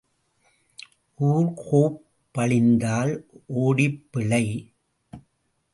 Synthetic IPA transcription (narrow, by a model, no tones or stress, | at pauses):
ʔuːɾkʰoːpː | ɐɭɪnd̪aːlʔoːɽɪpːɪɭɐɪ